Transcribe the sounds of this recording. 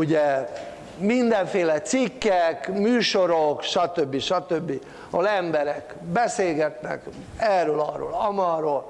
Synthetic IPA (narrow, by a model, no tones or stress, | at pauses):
uɟɛ | mind̪ɛɱfeːlɛt̪sikːɛkmyːʃoɾokʃɒt̪øbːiʃɒt̪øbːi | ɒlɛmbɛɾɛk | bɛseːlɡɛt̪nɛ̰k | ɛrøːlɒ̰ro̰ːlɒmɒːroːl